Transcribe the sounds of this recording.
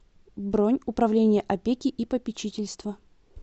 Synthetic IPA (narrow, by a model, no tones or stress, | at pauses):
bɾonʲʊpɾɐvlʲenʲɪjəʔɐpʲekʲɪʔipəpʲɪt͡ɕitʲɪlʲst̪və